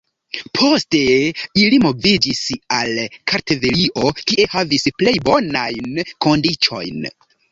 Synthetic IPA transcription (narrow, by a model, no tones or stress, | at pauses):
pʰo̞ste̞ilimo̞vid͡ʒisalkʰaɾte̞veliʔo̞kiʔe̞havisple̞jbo̞najnko̞ndit͡ʃo̞̰jn